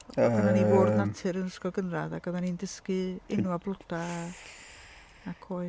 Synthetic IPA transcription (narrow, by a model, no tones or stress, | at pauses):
ɔəðaniboːdnatʰɨɾənəskɔɡənraðaɡəðanindəskɨɪnwablˠɔd̥a | akʰoːɨ